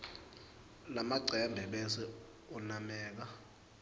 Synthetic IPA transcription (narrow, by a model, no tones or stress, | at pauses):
lamaɡ͡ǀʱɛmbʱɛɓɛsɛ | ɔnamɛːk̬a